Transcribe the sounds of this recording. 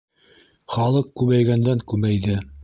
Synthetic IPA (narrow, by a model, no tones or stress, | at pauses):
χɑlˠɤq̚kʉβæjɡænd̪æŋkʉmæjðɘ